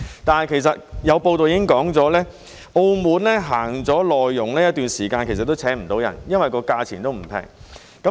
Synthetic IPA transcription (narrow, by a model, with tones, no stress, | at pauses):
t̪aː˨nhɐ˨˩jkʰe˨˩js̬ɐ˨t̚jɐ˨˧wpo˧wt̪o˨wjiː˧˥˦ɪ˥ŋkɔː˨˥ŋt͡sɔː˨˥lɛː˥ | ʔo˧wmuː˨˥nlɛː˥ɦaː˨˩ŋt͡sɔː˨˥lɔː˨jːʊ˨˩ŋlɛː˥jɐ˥t̪̚yː˨nsiː˨˩kaː˧nkʰe˨˩jsɐ˨t̪̚ːo˥wt͡sʰɛː˨˥ŋm̩˨˩t̪o˨˧wjɐ̰˨˩njɐ˥nwɐ˨jkɔː˧kaː˧t͡sʰiː˨˩nt̪o˥wm̩˨˩pʰɛ̰ː˨˩ŋ | kɐ˨˦